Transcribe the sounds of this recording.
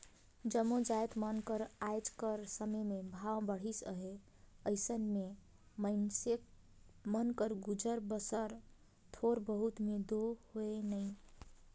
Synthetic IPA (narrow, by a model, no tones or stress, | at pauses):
d͡ʒəmod͡ʒajt̪mənkəɾajd͡ʒkəɾsəməmebʱawbəɽ̤isəɦe | əɪsənme | məɪnsek | mənkəɾɡud͡ʒəɾbəsəɾ | t̪ʰoɾbəɦut̪med̪ohoenəj